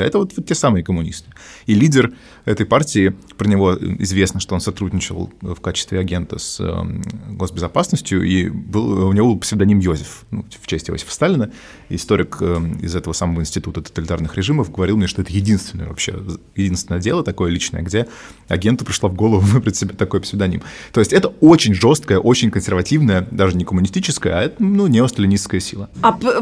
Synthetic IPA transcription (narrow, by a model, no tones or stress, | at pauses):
ɛt̪əvot̪vot̪̚ːʲesamɨəkəmːʊnʲḭst̪ɨ̥ilʲidʲɪr | ɛt̪əjpartʲɪɪ | pɾənʲɪvo̞ɪ̰zvʲe̞snəʂt̪oosɐt̪ɾudʲnʲɪt͡ɕɪ̰lˠəfkat͡ɕɪ̥st̪vʲɪɐɡʲe̞nt̪ə̰sə̰ɡo̞sbʲɪzɐpasnəsʲtʲjʊʔibɨlˠʊnʲɪvo̞bɨlˠpsʲɪvɪd̪ɐnʲimjosʲɪfnuft͡ɕesʲtʲɪjo̰sʲɪ̥fə̥st̪alʲɪnə | ɪst̪o̞ɾʲɪkəɪ̰zɛt̪əvəsaməvəɪnʲsʲtʲɪt̪ut̪ət̪ə̥t̪əlʲɪt̪a̰rnɨxɾʲɪʐɨməfɡəvɐɾʲilˠmnʲeʂt̪o̞ɛt̪əjɪdʲinst̪vʲɪnə̰jə̰vɐ̰pɕːe | jɪdʲinst̪vʲɪnəjədʲe̞lˠət̪ɐko̞jəlʲit͡ɕnə̰jə̰ɡdʲe̞ | ɐ̰ɡʲe̞nt̪ʊpɾʲɪʂlˠavɡo̞lˠəvʊnpʲɾʲɪt̪ʲsʲɪbʲet̪ɐko̞jpə̥sʲvʲɪd̪ɐnʲḭmt̪o̞ɪsʲtʲɛt̪əo̞t͡ɕɪnʲʐo̞st̪̚kəjəʔo̞t͡ɕɪnʲkənsʲɪrvɐtʲivnəjəd̪aʐɨnʲɪkəmʊnʲɪsʲtʲit͡ɕɪskəjəɐɛt̪ənunʲeost̪əlʲɪnʲisskəjəsʲilˠəap